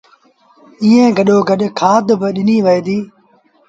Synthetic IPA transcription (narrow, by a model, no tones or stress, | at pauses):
iːẽːɡəɗoːɡəɗkʰaːt̪bɪɗɪniːʋəeːd̪iː